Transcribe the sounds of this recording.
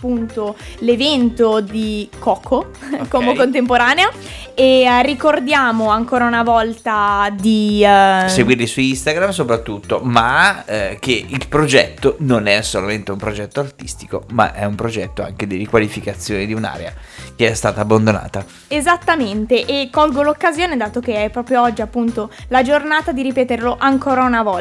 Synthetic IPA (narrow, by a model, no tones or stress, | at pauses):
pːunt̪olevɛnt̪od̪ikɔːkʰo | komokont̪empoɾaːnea | erikord̪jaːmoaŋkoːɾaunavɔlt̪ad̪i | seɡwirlisuist̪aɡɾams̬opɾat̪ːut̪ːoma | keilpɾod͡ʒɛt̪ːononɛsːolament̪eumpɾod͡ʒɛt̪ːoart̪ist̪iko̰ma̰ʔɛumpɾod͡ʒɛt̪ːoa̰ŋk̟ed̪irikwalifikat̪sːjoːned̪iuna̰ːɾḛa̰keɛst̪aːt̪aːbːand̪ona̰ːt̪a | ezat̪ːament̪eʔekːɔlɡolokːazjoːned̪aːt̪okeɛpːɾɔːpɾjoɔd͡ʒːiapːunt̪olad͡ʒornaːt̪ad̪iɾipɛːt̪eɾloʔaŋkoːɾaunavɔ